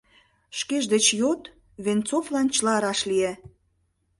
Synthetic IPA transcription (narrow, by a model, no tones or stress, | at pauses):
ʃkeʒd̪et͡ɕjot̪ | βent͡sovlɑnt͡ɕəlɑɾɑʃlie